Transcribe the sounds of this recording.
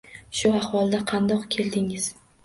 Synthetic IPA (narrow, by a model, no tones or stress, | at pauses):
ʃʊahwɒlˠd̪aqʰɑnd̪ɒqkʲʰe̞ld̪ɪŋɪz̥